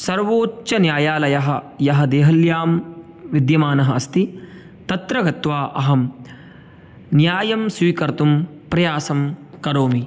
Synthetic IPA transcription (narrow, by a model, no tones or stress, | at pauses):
sɐɾʋoːtːt͡ʃɐnjaːjaːlɐjɐɦɐ | jɐɦɐ̆d̪eːɦɐljaːm | ʋid̪jɐmaːnɐɦɐɐst̪i | t̪ɐt̪ɾɐɡɐt̪ʋaːʔɐɦɐm | njaːjɐmsʋiːkɐɾt̪um | pɾɐjaːsɐmkɐɾoːmi